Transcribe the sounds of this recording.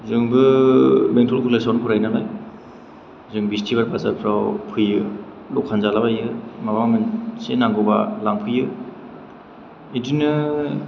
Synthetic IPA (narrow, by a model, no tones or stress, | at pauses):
zɯŋbɯbeŋtʰɔlkʰulesɔnpʰɯɾajnalaj | zɯŋbistʰibaɾpʰazapʰɾawpʰɯjɯ | lɔk̚ʰanzalabajɯmabamɯnsenaŋɡɯwbalaŋpʰɯjɯ | idinɯ